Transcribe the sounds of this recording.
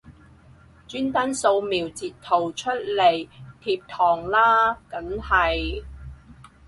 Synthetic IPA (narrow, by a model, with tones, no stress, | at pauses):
t͡ʃyː˥nt̪aː˥nso˧wmiː˨wt͡siː˨t̪ʰo˨˩wt͡ʃʰɵ˥t̚le˨˩jt̪ʰiː˧p̚t̪ʰɔː˨˩ŋlaː˥kɐ˨˥ŋhɐ˨j